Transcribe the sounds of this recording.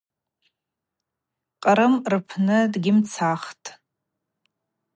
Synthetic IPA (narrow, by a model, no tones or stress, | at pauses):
qʼəɾɨmrpʰnɨdɡʲɪmt͡sʰaχtʼ